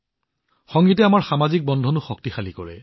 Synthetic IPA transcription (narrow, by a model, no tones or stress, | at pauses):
xɔŋɡitɛamaɹxamazik̚bɔndʱɔnuxɔk̚tixalikɔ̰ɹɛ̰